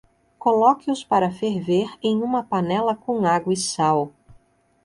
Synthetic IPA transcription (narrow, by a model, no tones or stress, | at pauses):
kolɔkɪʊspaɾɐfeɾveɾẽj̃ũmɐpanɛlɐkõw̃aɡwɐɪsaw